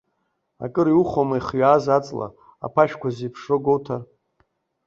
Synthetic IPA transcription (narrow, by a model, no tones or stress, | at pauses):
a̰kʼɨɾiwuχomaiχɥaːzat͡sʼla̰ | a̰pʰaʃkʷʰazipʰʂoɡowtʰar